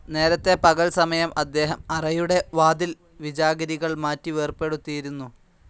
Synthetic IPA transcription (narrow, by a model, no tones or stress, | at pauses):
ne̞ːɾɐt̪ːe̞pɐɣɐlsɐmɐjɐmʔɐd̪ːe̞ːɦɐmɐrɐjuɽe̞ʋaːd̪il | ʋid͡ʑaːɡɐɾiɣɐɭmaːtːiʋeːrpe̞ɽut̪ːijiɾunːu